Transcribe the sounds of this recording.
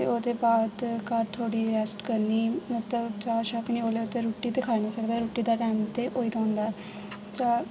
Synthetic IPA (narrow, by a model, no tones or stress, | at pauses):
eoːd̪eːbaːd̪kaɾt̪ʰoːɽiːɾɛːsʈkəɾniːmət̪ləbt͡ʃaːɾʃaknĩːoːleːt̪eːɾuːʈːiːt̪eːkʰaːenaːsəkd̪aːɾuːʈiːd̪aːʈɛ̃ːmt̪eːʔoːiːt̪ʰõːnd̪aː | t͡ʃaː